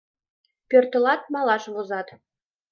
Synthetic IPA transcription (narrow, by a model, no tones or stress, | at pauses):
pʲørt̪ə̆lɑt̪mɑlˠɑʃβozɑt̪